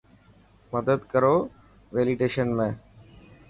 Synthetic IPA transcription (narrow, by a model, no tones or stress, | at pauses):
məd̪əd̪kəɾoː | ʋeːliɖeːʃənmẽː